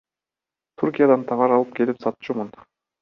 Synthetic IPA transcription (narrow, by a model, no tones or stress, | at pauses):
t̪ʰuɾkʲijad̪ɑnt̪ʰɑʁɑɾɑlˠɯp̚ke̞lipsɑt̪t͡ʃumun